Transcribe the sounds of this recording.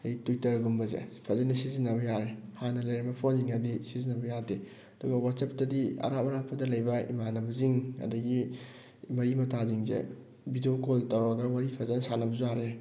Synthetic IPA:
ejtujtɐɾɡumbɐzḛpʰɐzɐnɐsizinːɐβɐjaɾehanɐlɐjɾɐbɐpʰonziŋadisizinːɐbɐjade | ɐduɡɐwatsep̚tɐdiɐ̰ɾapɐɾapʰɐdɐlɐjbɐḭmanɐbɐziŋɐ̰dɐɡi | mɐɾimɐtʰaziŋzḛ | bidokoltɐwɾɐɡɐwaɾipʰɐzɐnɐsanɐbɐzuaɾe

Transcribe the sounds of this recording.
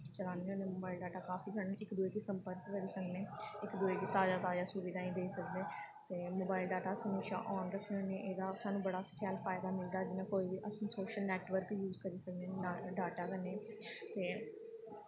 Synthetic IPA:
t͡ʃəlãːneoːneːmoːbaːɪlɖaːʈaːkaːfʰiːsəɳnẽːʔɪkd̪uːeːkiːsəmpəɾkkəɾiːsəkneːɪkd̪uːeːkiːt̪aːd͡ʒaːt̪aːd͡ʒaːsʊʋiːd̪aːĩːd̪eːisəkd̪eːt̪eːmoːbaːɪlɖaːʈaːsəmeːʃa̰ːʔɔːnɾəkʰneneːʔeːd̪aːsaːnũːbəɽaːssɛːlpʰaːɪd̪aːmɪld̪aːd͡ʒɪnãːkoːiːbiːʔəssoːʃəlnɛːʈʋəɾkijuːzkəɾiːsəknẽːɖaːʈaːkəɾneː | t̪eː

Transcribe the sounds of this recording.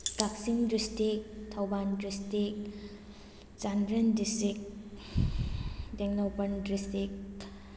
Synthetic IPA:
kak̚siŋdistik̚tʰɐwbandɾistik̚ | zandɾendistɾik̚ | deŋnopɐndɾistik

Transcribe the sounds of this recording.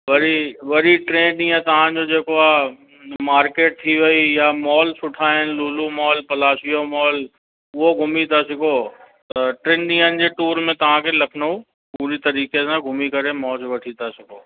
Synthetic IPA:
ʋɐɾiʋɐɾiʈɾẽːnɗĩːãt̪ɐʋ̤ãd͡ʑod͡ʑeːkoa | maːɾkeːʈ̚t̪ʰiʋɐijamɔːlsʊʈʰaːɪnluːlumɔːlpɐlaːsijomɔːl | ʊɦoɡʱʊmit̪ʰasɪkoːt̪ɐʈɾẽːnɗĩːən̆d͡ʑeʈuːɾmẽt̪ɐʋ̤ãkʰelɐkʰnou | puːɾit̪ɐɾiːkesãɡʱʊmikɐɾemɔːlsʋɐʈʰit̪ʰasɪkoː

